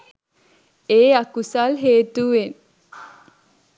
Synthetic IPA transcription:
eːakusalɦeːt̪uʋen

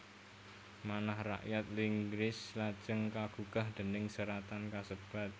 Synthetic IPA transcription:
manahra̰ʔjat̪̚liŋɡɾɪslḁd͡ʒəŋkaɡ̥ukahd̪̥ə̤nɪŋsəɾat̪ankasəb̥a̤t̪̚

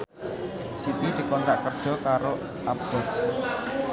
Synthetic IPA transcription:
sit̪id̪̥i̤kɔnt̪ɾaʔkərd̥ʒ̥ɔ̤kaɾo | ab̥ɔ̤t̪̚

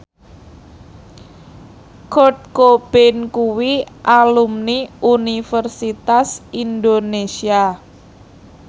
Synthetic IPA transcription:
kot̪̚kob̥ɪnkuwiʔalumniʔunifərsit̪asind̪onesia

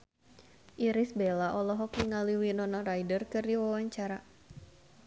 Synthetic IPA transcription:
ʔiɾisbelaʔɔlɔɦɔk̚niŋaliwinɔnɔrajdərkɨrdiwawaɲt͡ʃaɾa

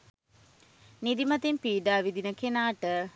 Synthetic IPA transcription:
nid̪imɐt̪impiːɖaːʋid̪inəkenaːʈə

